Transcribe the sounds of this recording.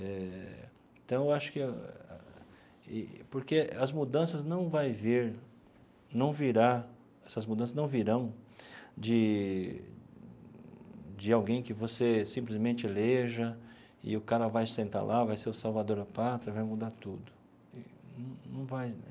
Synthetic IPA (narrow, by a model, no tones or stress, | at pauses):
ɛ | ẽt̪ɐ̃w̃ewaʃʊ̥kɪ | ɪ̰poɾkeɐzmud̪ɐ̃sɐznɐ̃w̃vajveɾ | nɐ̃w̃viɾa | ɛsɐzmud̪ɐ̃s̬ɐznɐ̃w̃viɾɐ̃w̃ | d͡ʒɪ | d͡ʒɪawɡẽj̃kɪvosesĩmplɪzmẽnt͡ʃɪleʒɐ | ɪ̰ʊkaɾɐvajsẽnt̪a̰lʔavajseɾʊsawvad̪oɾapat̪ɾɐvajmud̪at̪ud̪ʊ | ɪnnɐ̃w̃nɐ̃w̃vaj